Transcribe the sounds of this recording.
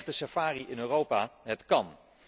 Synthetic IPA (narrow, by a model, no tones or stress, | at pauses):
χtəsafaːriʔɪnøːrowpaːɦətkɑn